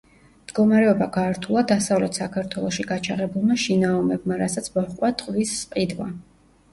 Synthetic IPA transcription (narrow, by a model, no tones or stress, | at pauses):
md̪̥ɡɔmaɾɛɔbaɡaːɾt̪ʰulˠad̪asavlɛt̪ʰsakʰaɾt̪ʰwɛlˠɔʃiɡat͡ʃʰaʁɛbulˠmaʃinaɔmɛbmaɾasat̪sʰmɔχqʼwat̪ʼqʼvisːqʼid̪va